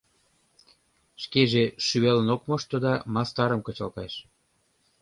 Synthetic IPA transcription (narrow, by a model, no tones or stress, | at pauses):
ʃkeʒeʃyβelənokmɤʃt̪ɤ̆d̪ɑmɑst̪ɑɾəmkɤ̆t͡ɕɑlk̪ɑʃ